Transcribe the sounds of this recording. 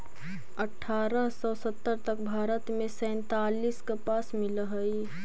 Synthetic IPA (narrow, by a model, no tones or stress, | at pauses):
əʈʰːaɾəɦsɔsət̪ːəɾt̪əkbʱaːɾət̪mẽsɛ̃nt̪aliskəpasmiləɦəj